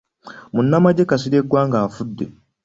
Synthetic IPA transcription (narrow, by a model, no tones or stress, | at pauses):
munːamaɟekasidekːaŋɡaːfudːe